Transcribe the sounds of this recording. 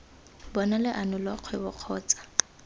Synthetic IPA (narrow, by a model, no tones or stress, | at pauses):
bɔnalɪʔanʊlɔq͡χʰwɛbʊq͡χʰɔːt͡sʼḁ